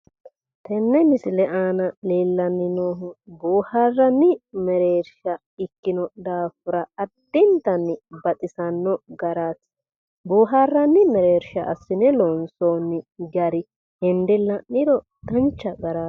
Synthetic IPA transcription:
t̪ɛnːɛmɪsɪlɛʔaːnɐleːlːɐnːɪnoːɦʊbuːhaːrːɐnːɪmɛɾeːɾʃɐ | ɪkːɪnɔd̪aːfʊɾɐɐd̪̥ːɪnt̪ɐnːɪbɐt̪ʼɪsɐnːɔɡɐɾaːs | buːɦaːrːɐnːɪmɛɾeːɾʃɐʔɐ̰sːɪnɛlɔnsoːnːɪɡɐɾɪ | hɛnd̪ɪlɐnːɪɾɔ | d̪ɐnt͡ʃːɐɡɐɾaː

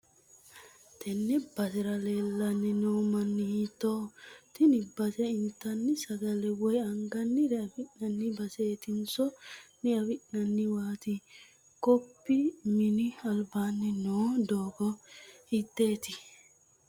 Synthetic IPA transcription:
t̪ʰɛnːɛbɐsɪɾɐleːlːɐnːɛnoːmɐnːɪhit̪oːt̪ɪnɪbɐsɛɪnt̪ɐnːɪsɐɡɐlɛwɔjɐŋɡɐnːɪɾɛɐfɪʔnɐnːɪbɐseːt̪ɪnsɔnɛɐfɪnɐnːɪwaːt̪ɪ | kɔpːimɪnɪɐlbaːnːɪnoːd̪oːɡɔhɪt̪ːeːt̪ɪ

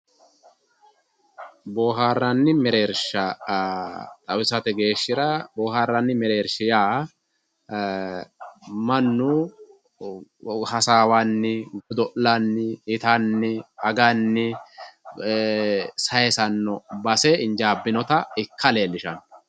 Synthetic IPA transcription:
bo̞ːɦaːrːɐnːɪmɛɾe̞ːɾʃɐ | t̪ʼɐwɪsɐt̪ɛɡe̞ːʃːɪɾɐboːhaːrːɐnːɪmɛɾe̞ːɾʃɪjaː | mɐnːʊ | hɐsaːwanːɪɡɔd̪ɔʔlanːɪɪt̪anːɪɐɡanːɪ | sɐjɛsɐnːɔbɐsɛɪnd͡ʒaːbːɪnɔt̪ɐɪkːɐle̞ːlːɪʃɐn

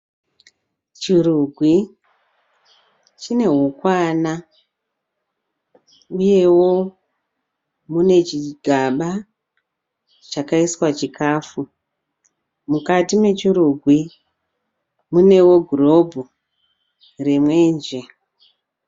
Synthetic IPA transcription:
t͡ʃiruɡʱwi | t͡ʃine̞ɦukwana | uje̞wo̞ | mune̞t͡ʃiɡʱaɓa | t͡ʃakaiswat͡ʃikʰaːfu | mukatime̞t͡ʃiɾuɡʱwi | mune̞wo̞ɡʱuro̞bʱu | re̞mwe̞ːnd͡ʒe̞

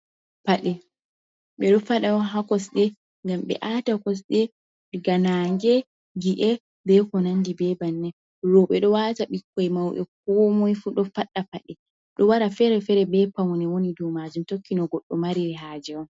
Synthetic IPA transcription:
paɗɛ | ɓɛɗɔfaɗawɦakɔsɗɛ | ŋɡamɓɛ̰ʔatakɔs̬ɗɛ | ɓɛɡanaŋɡɛ | ɡiʔɛ | bɛkɔnandibɛbanːɛ | ɾɔɓɛɗɔwataɓikːɔjmawʔɛ̰k̚ɔmɔjfuɗɔfaɗːapaɗɛ | ɗɔwaɾafɛɾɛfɛɾɛbɛpawɔnɛwonidumad͡ʒumtokːinɔɡɔɗːɔmaɾiɾɛɦad͡ʒɛɔn

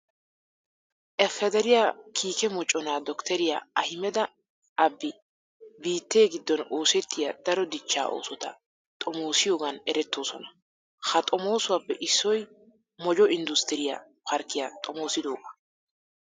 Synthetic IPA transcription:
ʔɛfːɛd̪ɛɾɪjaːkʰiːkɛmɔt͡ʃʼːɔnaːd̪ɔkt̪ɛɾɪja̰ɐhɪmɛd̪ɐ | ʔɐbːɪ | biːt̪ːe̞ːɡɪd̪ːɔnoːsɛt̪ːɪjad̪̥ɐɾɔd̪ɪt͡ʃːa̰ːʔo̰ːsɔt̪ɐ̰ | t̪ʼɔmoːsɪjo̞ːɡɐnɛɾɛt̪ːo̞ːsɔnɐ | hɐt̪ʼɔmo̞ːsʊwaːpːɛʔɪsːɔj | mɔd͡ʒɔɪnd̪ʊst̪ɪɾɪja̰ | pʰɐɾkːɪjat̪ʼɔmoːsɪd̪oːkʼːɐ̥

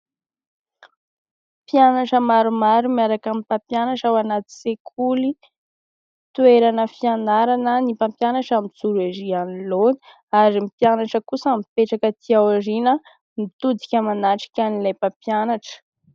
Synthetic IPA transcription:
pjanaʈ͡ʂəmaɾumaɾumiaɾakamipapjanaʈ͡ʂawanat̪i̥sekʰuli | t̪ueɾanəfianaɾanənipampjanaʈ͡ʂamid͡zuɾezianiloni̥ | aɾimipjanaʈ͡ʂəkusəmipeʈ͡ʂakət̪ʰiawaɾinə | mit̪ud̪i̥kʲamanaʈ͡ʂi̥kʲanilajpapjanaʈ͡ʂə̥

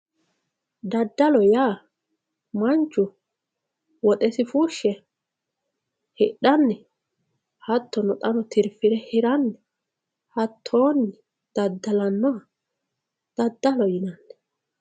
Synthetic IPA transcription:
d̪ɐd̪ːɐlɔjaː | mɐnt͡ʃːʊ | wɔt̪ʼɛsɪfuʃːɛ | hɪɗɐnːɛ | hɐt̪ːɔnɔt̪ʼɐnɔt̪ʰɪɾfɪɾɛhɪɾɐnːɛ | hɐt̪ʰːoːnːɪ | d̪̥ɐd̪ːɐlɐnːɔɐ | d̪̥ɐd̪ːɐlɔjɪnɐnːɛ̥

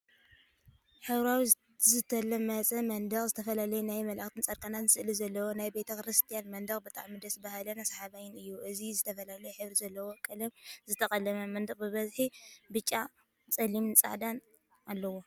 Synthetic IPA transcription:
ħɨβɾawi | zɨt̪ʰɐlːɐmɐt͡sʼɐmɐnd̪ɐχʼzɨt̪ʰɐfɐlalɐjunajmɐlʔaxt̪ʰɨnt͡sʼɐɾkʼanat̪zɨsɨʔlizɐlːɐwonajbet̪ʰɐkɾɨst̪ʰijanmɐnd̪ɐχʼbɨt̪ʼa̰ʕmid̪ɐsbahalɐnasaħaβajɪnɨjːuʔɨzizɨt̪ʰɐfɐlalɐjuħɨβɾizɐlːɐwokʼɐlɐmzɨt̪ʰɐχʼɐlɐmɐmɐnd̪ɨχʼbɨβɐzħibɨt͡ʃʼːa | t͡sʼɐlimnt͡sʼa̰ʕd̪an | alːɐwo

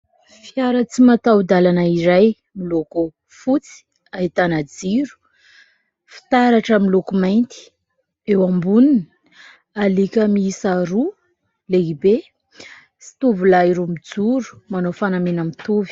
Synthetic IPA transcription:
fiaɾət͡simat̪awd̪alanaiɾaj | miloko | fut͡si̥ | ait̪anad͡ziɾu̥ | fi̥t̪aɾaʈ͡ʂəmilokumajnt̪i̥ | ewambunin | alikʲəmiisaɾu | leibe | si̥t̪uvulaiɾumid͡zuɾu̥manofanamenamit̪uvi̥

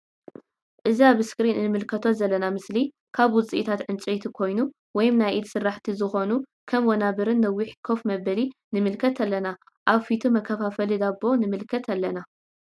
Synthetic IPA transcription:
ʔɨziaβɨskɾinɨnɨmɨlkʰɐt̪ʰo̞zɐlːɐnamɨsli | kʰaβwʊt͡sʼiʔit̪ʰat̪ʕɨnt͡ʃʼejt̪ʰikʰo̞jnu | wɔjɪmnajʔid̪sɨrːaħt̪ʰizɨxo̞nu | kʰɐmwɔnabɨɾɨnːɐwːiħkʰo̞fmɐbɐli | nɨmɨlkʰɐt̪ʰɐlːɐna | ʔaβfit̪ʰumɐkʰːɐfafɐlid̪abo̞nɨmɨlkʰɐt̪ʰɐlːɐna

